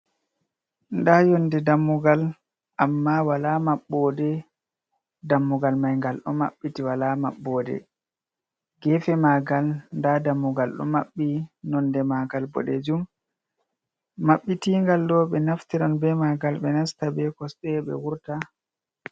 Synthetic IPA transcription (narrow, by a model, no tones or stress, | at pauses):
ndajɔndɛdamːuɡal | ʔamːawalamaɓːɔdɛ | damːuɡalmajŋɡalɗɔ̰ma̰ɓːitiwalamaɓːɔːdɛ̰ | ɡɛfɛmaɡalndadamːuɡalɗɔ̰maɓːinɔndɛmaɡalbɔ̰ɗɛd͡ʒum | aɓːitiŋɡalːɔɓɛnaftiɾanbɛmaɡalɓɛnastabɛkɔsɛɓɛ̰wuɾta